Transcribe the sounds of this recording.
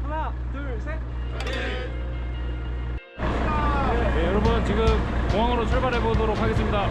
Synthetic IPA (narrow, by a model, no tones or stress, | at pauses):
jejʌɾʌbunt͡ɕiɡɯmkoŋɦwaŋɯɾot͡ɕʰoɭbaɾɦe̞bodoɾok̚ʰaɡe̞s͈ɯmɲida